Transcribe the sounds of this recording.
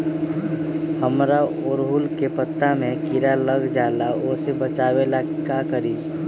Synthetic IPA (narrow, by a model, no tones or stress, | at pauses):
həmɾa | ʊːɾɦʊlkepət̪ːamẽkɪɾaləɡd͡ʒaːlaoːsebət͡ʃaːʋelakakəɾiː